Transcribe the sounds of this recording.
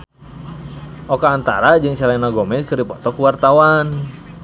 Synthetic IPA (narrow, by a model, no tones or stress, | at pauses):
ʔɔkaːnt̪a̰ɾad͡ʒɨŋt͡ʃaɾanaɡɔmɛskɨrdipɔt̪ɔkuwart̪awan